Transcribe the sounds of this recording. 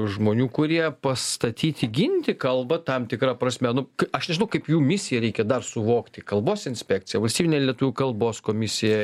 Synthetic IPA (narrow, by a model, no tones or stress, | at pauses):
ʒmoːnʲuːkʊɾʲiɛpɐst̪ɐt̪ʲiːt̪ʲɪɡʲɪnʲt̪ʲɪkɐlˠbɐt̪ɐmt̪ʲɪkɾɑpɾɐsʲmʲɛnʊkɐɐʃnʲɛʒʲɪnɐʊkɐɪpjuːmʲɪsʲɪjɛɾʲɛɪkʲɛd̪ɐrsʊʋoːkt̪ʲɪkɐlˠboːsɪnʲsʲpʲɛk̚t̪sʲɪjɛʋɐlʲst̪ʲiːbʲɪnʲeːjlʲiɛt̪ʊʋʲukɐlˠboːskoːmʲɪsʲɪjɛ